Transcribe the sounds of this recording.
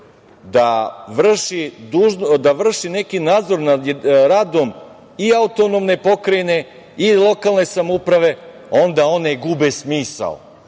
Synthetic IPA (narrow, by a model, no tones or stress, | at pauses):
d̪aʋr̩ʃid̪uʒd̪aʋr̩ʃine̞kinaːd̪zo̞ɾnaɾad̪om | iaut̪onomne̞po̞kɾane̞ | ilˠo̞kalˠne̞samupɾaʋe̞ | o̞nd̪ao̞neɡubesmiːsa̰l